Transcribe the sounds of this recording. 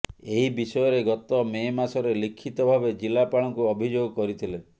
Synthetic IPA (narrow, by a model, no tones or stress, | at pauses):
eɦibisɔjɔɾeɡɔt̪ɔmemasɔɾelikʰːit̪ɔbʱabed͡ʒilapaɽ̃ɔŋkuɔbʱid͡ʒoɡɔkɔɾit̪ʰile